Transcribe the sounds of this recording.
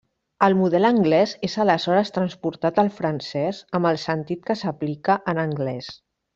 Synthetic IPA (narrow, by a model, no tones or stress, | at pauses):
əlˠmuðɛləŋɡlɛzezələzɔɾəst̪ɾənspuɾt̪at̪əlˠfɾənsɛsəmbəlˠsənt̪it̪̚kəsəplikəʔənəŋɡlɛs